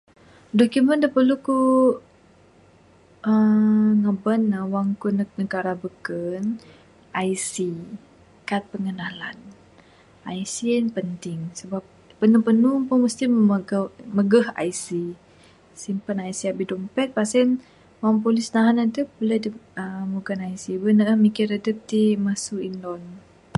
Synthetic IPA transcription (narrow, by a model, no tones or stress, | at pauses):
dokumənd̪əpəluku | əŋəbənəwaŋkunnəɡaɾabəkən | ʔaisi | kat̪̚pəŋənalan | aisinpənt̪ɪŋsəbap̚ːənupənupʊŋməst̪iməməɡaməɡəha̰jsi | simpənaisiabidɔmpɛt̪̚pasɛn | waŋp̬olɪsnaɦanadəp̚bulɛdəəmuɡanajsibənəəmikiɾadəp̚t̪iməsuinɔn